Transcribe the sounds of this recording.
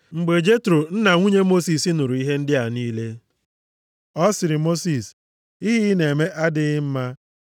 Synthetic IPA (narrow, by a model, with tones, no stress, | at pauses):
ŋ͡m̩˨ɡ͡be˨d͡ʒe˦tɾo˨n̩˦na˨ŋʷu˦ɲe˦mo˦si˨si˦nʊ˨ɾu˨i˦ɦe˦n̩˦dɪ˦a˨niː˦le˦ | ɔ˦sɪ˨ɾɪ˨mo˦si˨s | i˦ɦɪ˦ne˨me˦ʔa˦dɪ˦m̩˦ma˦